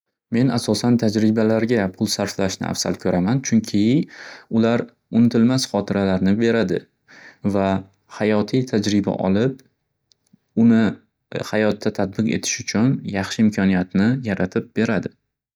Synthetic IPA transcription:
me̞nasɒsant̪ʰad͡ʒɾɪbalaɾɡʲapʰʊlˠsaɾflaʃnɪ̰ʔa̰fsa̰lkʲʰɵɾʔamant͡ʃʰʊŋkʲʰɪʊlaɾ | ʊnɪt̪ʰɪlmasχɒt̪ʰɪɾalaɾnɪbe̞ɾad̪ɪ | va | hajɒt̪ʰijt̪ʰad͡ʒɾɪba̰ʔɒ̰lˠɪp̚ | ʊnɪ | hajɒt̪ːat̪ʰad̪̚bɪqe̞t̪ʰɪ̥ʃʊt͡ʃʰʊnjɑχʃɪɪmkʰɒnijat̪nɪjaɾat̪ʰɪp̚be̞ɾad̪ɪ

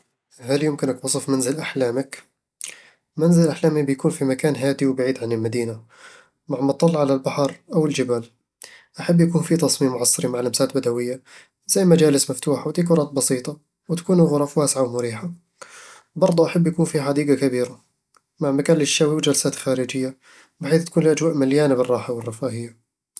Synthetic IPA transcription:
haljʊmkɪnʔakwɑsˤɨfmanzɪlʔaħlaːmak | manzɪlɪlʔaħlaːmibɪjakuːnfimakaːnɦaːd̪iwbaʕiːd̪ʕanɪlmad̪iːna | maʕmɑt̪ˤːɑlːʕalalbaħɑɾʔawɪld͡ʒɪbaːl | ʔaħabːjakuːnfit̪ɑsˤmiːmːʊʕɑsˤːɨɾimaʕlʔamsaːt̪bad̪awɪjːa | z̥ajːmad͡ʒaːlɪsmaft̪uːħawd̪iːk̬ʊɾˤɑːt̪̚bɑsiːt̪ˤɑ | wt̪ḁkuːnʊɣʊɾˤɑfwaːsʕawmʊɾiːħa | bɑɾˤd̪ˤuʔaħabːjakuːnfiħad̪iːɡakabiːɾa | maʕmakaːnlɪʃːaːwiwd͡ʒalsaːt̪xaːɾɪd͡ʒɪjːa | bɪħiːθt̪akuːnliʔad͡ʒwaːʔmaljaːnabɪrˤːɑːħawɪrˤːɑfaːɦɪjːa

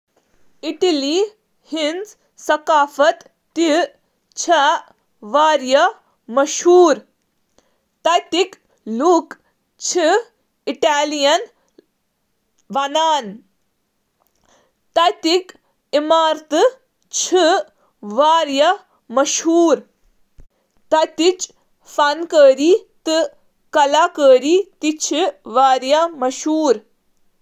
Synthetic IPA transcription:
iʈiliː | hinz | sɐkaːfɐt̪ː | i | t͡ʃʰɐ | ʋaːɾjɐ | mɐʃɦuːɾ | t̪ɐjt̪ik | luk | t͡ʃʰi | iʈaːlijɐn | ʋɐnaːn | t̪ɐjt̪ik | imaːɾt̪ɨ | t͡ʃʰi | ʋaːɾjɐ | mɐʃɦuːɾ | t̪ɐt̪it͡ʃ | fɐnkəːɾiːt̪ɨ | kɐlaːkəːɾiːt̪it͡ʃʰiʋaːɾjɐmɐʃɦuːɾ

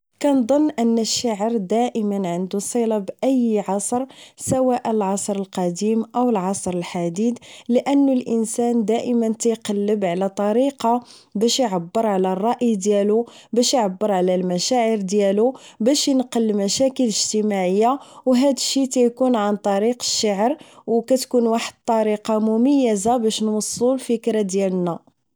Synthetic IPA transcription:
kænd̪ˤənːʔənːəʃːaʕəɾd̪æʔəmənʕənd̪usˤilɑbʔəjʕɑsˤɾsæwæʔəlʕɑsˤɾəlqɑd̪imʔəwəlʕɑsˤɾəlħad̪id̪ləʔənːulʔənsænd̪æʔəmənt̪æjqɑlːəbʕlæt̪ˤɑɾiqɑbæʃjʕabːəɾʕlærˤːɑʔid̪jælubæʃjʕabːəɾʕlælmæʃæʕəɾd̪jælubæʃjənqəlːmæʃækələʒt̪əmaʕəjːawɦæd̪əʃːit̪æjkunʕant̪ˤɑɾiqə̥ʃːaʕəɾwkæt̪kunwaħəd̪̚t̪ˤɑɾiqɑmʊmæjːəzabæʃnwəsˤːulfəkɾad̪jælnæ

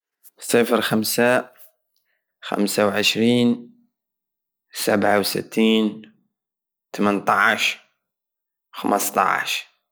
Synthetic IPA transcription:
sˤeːfɪɾxamsa | xa̰msawʕɪʃɾiːn | sabʕawsɪ̰t̪ːiːn | t̪amant̪ˤɑʕʃ | wxa̰mɑst̪ˤɑ̰ʕʃ

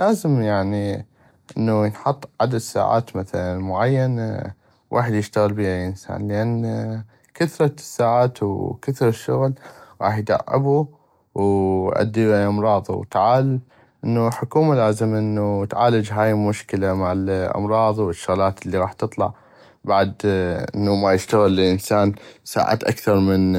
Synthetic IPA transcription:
laːzɪmjaʕni | ʔɪnːujənħɑt̪ˤːʕad̪ad̪sa̰ːʕa̰ːt̪maθalanmʊʕajːan | wʔa̰ːħəd̪jɪʃt̪aɣəlbiːhalʔɪnsa̰ːnlʔanː | kaθɾˤɑsːaːʕaːt̪wkaθɾʃːʊɣlɣɑ̰ːħjd̪a̰ʕːɪ̰bu | wʔa̰d̪ːiʔɑmɾˤɑːð̰ˤwt̪aʕaːl | ʔɪnːuħʊkuːmalazɪmʔɪnːut̪ʕaːlad͡ʒɦaːjmʊʃkɪlamaʕalʔɑ̰mɾˤɑːðˤwɪʃːʊɣlaːt̪ʔɪlːiɣɑːħt̪ɨt̪ˤlɑ̰ʕ | baʕd̪ʔɪ̰nːumajɪʃt̪aɣɪlːɪʔɪnsaːnsa̰ːʕa̰ːt̪ʔa̰kθɑɾˤmɪn

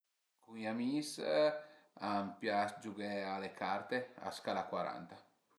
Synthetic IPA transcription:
kũŋiamis | ampjasd͡ʒuɡealekʰaɾt̪ea̰skalakwaɾa̰nt̪a

